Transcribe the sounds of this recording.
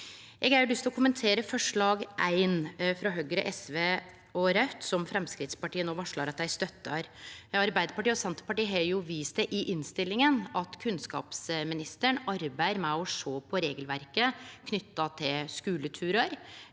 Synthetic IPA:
ɛɡæɾɖ̪ʏst̪ɔkʰʊmənt̪ʰeːɾəfɔʂɭɑːɡʔæɪnfɾɑɦœɡɾəʔɛsʋeː | ɔɾœt̪sɔmfɾɛmskɾɪt̪spɑʈiːənoːʋɑʂɭɑɾɑt̪̚d̪æɪst̪œt̪ːɑɾɑɾbæɪd̪əɾpɑʈiːɔsɛnt̪ə̥pɑʈiːɦɑɾjʊʋiːsd̪ɛʔɪʔɪnst̪ɪlːɪŋənɑt̪kʰʉnskɑ̰ːpsmɪnɪst̪əɳɑɾbæɪɾmæɪɔʂoːpʰɔɾeːɡəlʋæɾkəkʰnʏt̪ːɑt̪ʰɪlskʉːlət̪ʰʉːɾəɾ

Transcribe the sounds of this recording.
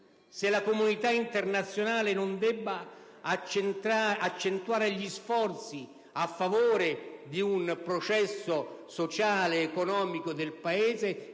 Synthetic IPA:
sɪlakomunit̪aint̪ernat̪sːjonaːlɪnʊnd̪ɛbːa | t͡ʃnaat͡ʃːent̪waːɾeʎisfɔrt̪si | afːavoːɾed̪iunpɾot͡ʃɛsːʊsot͡ʃaːleːkɔnɔːmikod̪ɪlpaeːze

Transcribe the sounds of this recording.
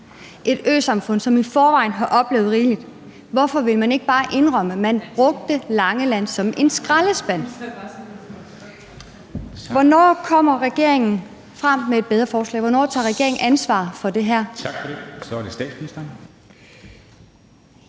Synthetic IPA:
ʔe̝d̥ø̰ːsɑ̈mfɔ̽n̰sɒ̽mifɒːʋɑ̈ɪ̰n̩ɦɑ̈ʔɒ̽b̥le̝ːʊð̞̩ˠʁiːlid̥ | ʋɒfɒ̽ʋe̝lmæne̝ɡ̥əb̥ɑ̈ːʔe̝nʁɶm̰əmænb̥ʁɔ̽ɡ̥̚d̥əlɑ̈ŋəlæn̰sɒ̽mʔe̝nsɡ̥ʁaləsb̥æn̰ | ʋɒnɒ̰ːkʰɒ̽m̰ɐʁɛɡ̥e̝ɐ̰e̝ŋn̩ | fʁɑm̰mee̝d̚b̥eð̞ˠʁɐfɒːslɛ̰ːʋɒnɒ̰ːt͡sʰɑ̈ːʁɛɡ̥e̝ɐeŋnʔænsʋɑ̰̈ðˠfɒ̽d̥e̝ɦæɐ̰t͡sʰɡ̥fɒdesɒd̥esd̥ɛ̰̥ːsminisd̥ɐ

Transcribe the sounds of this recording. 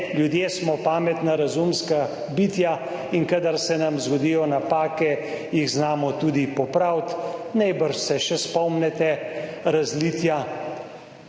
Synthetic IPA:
ljud̪jeːsmɔpaːmɛt̪naɾazumska | bit̪ja | inkad̪aɾsɛnamzɡɔd̪ijɔnapaːkɛ | jiɣznaːmɔt̪uːd̪ipɔpɾawt̪najbəɾʃsɛʃɛspɔmnɛt̪ɛɾazlit̪ja

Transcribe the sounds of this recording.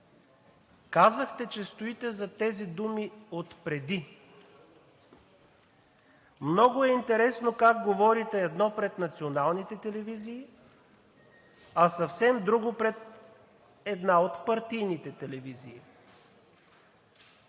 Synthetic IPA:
kazəxt̪ɛt͡ʃɛst̪oit̪ɛzɐt̪ɛzid̪umiot̪pɾɛd̪i | mnɔɡʊɛint̪ɛɾɛsnokak̚ɡovɔɾit̪ɛɛd̪nɔpɾɛt̪nɐt̪sionalˠnit̪ɛt̪ɛlɛviziː | ɐsɐfsɛmd̪ɾuɡopɾɛt̪ | ɛd̪naot̪pɐɾt̪ijnit̪ɛt̪ɛlɛviziː

